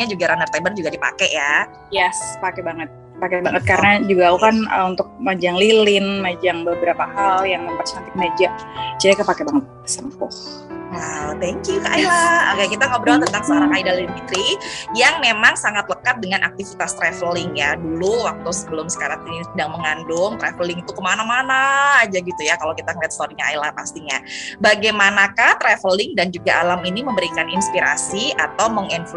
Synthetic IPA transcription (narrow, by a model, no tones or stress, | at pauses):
ɲad͡ʒuɡaɾanərt̪abərd͡ʒuɡadipa̰kɛja | jɛspakɛbaŋət̪̚ | pakɛbaŋət̪̚kaɾənad͡ʒuɡaukanə̰unt̪ʊk̚mad͡ʒaŋlilɪnmad͡ʒaŋbəbəɾapahaljaŋməmpərsant̪ɪk̚mad͡ʒaŋt͡ʃiɾakapakɛbaŋət̪̚səmpʊ̰h | wawt̪ɛŋkjuka̰ʔailaəkakit̪aŋabəɾaat̪ənt̪aŋsəoɾaŋŋaidalilɪnfit̪ɾijaŋmemaŋsaŋat̪ləkat̪̚dəŋanʔa̰k̚t̪ifit̪ast̪ɾefəlɪŋjaduluwak̚t̪usəbəlʊmsə̥kaɾat̪inisədaŋməŋandʊŋt̪ɾɛfəlɪŋit̪ukəmanamanaːd͡ʒaɡit̪ujakalawkit̪akəliat̪st̪oɾiɲaajlahpast̪iɲabaɡajmanakat̪ɾɛfəlɪŋdand͡ʒuɡaʔalaminiməmbəɾikaninspiɾa̰siat̪awməŋinf